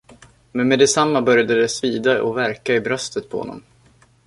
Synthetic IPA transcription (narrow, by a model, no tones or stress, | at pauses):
mɛnmɛd̪ɛsamːabœɾjad̪əd̪ɛsviːd̪aʔɔvæɾkaɪbɾœst̪ət̪̚pʰɔhɔ̰nːɔ̰m